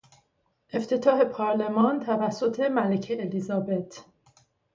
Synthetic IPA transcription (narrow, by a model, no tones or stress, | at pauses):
ʔe̞ft̪ʰe̞t̪ʰɒːhe̞pʰɒɾle̞mɒːnt̪ʰævæsːot̪ʰe̞mælecʰeːlizɒːbe̞t̪ʰ